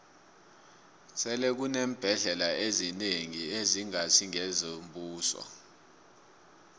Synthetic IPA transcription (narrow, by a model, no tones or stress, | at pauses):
sɛlɛk̬uneːm̩b̥ʱɛɮɛlaezineŋieziŋasʰiŋɛzombuːsɔ̰